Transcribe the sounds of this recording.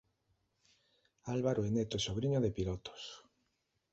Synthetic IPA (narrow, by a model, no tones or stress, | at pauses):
alβaɾoenet̪oesoβ̞ɾiɲoðepilɔt̪o̥s